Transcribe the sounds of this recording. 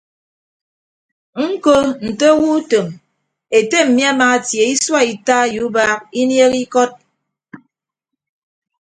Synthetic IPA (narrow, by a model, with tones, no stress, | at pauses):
ŋ̩˦ko˦n̩˨to˦wu˦to˨m | e˨te˦m̩˨mi˦a˦maː˨tje˨i˦swa˦i˨ta˦ju˨˦ba˦k̚i˦nje˦ki˦kɔ˦t̚